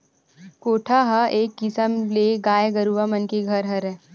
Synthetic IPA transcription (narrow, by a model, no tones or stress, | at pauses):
koːʈʰaɦaʔeːkːɪsəmleɡaːeɡəɾuʋamənkeɡʱɐɾɦɐɾɦɛː